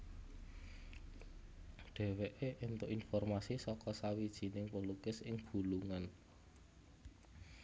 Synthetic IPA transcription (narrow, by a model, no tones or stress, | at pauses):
ɖ̥e̤weʔeʔent̪ʊʔinfɔrmasisɔkɔsawid̥ʒ̥i̤nɪŋpəlukɪsɪŋb̥ṳluŋan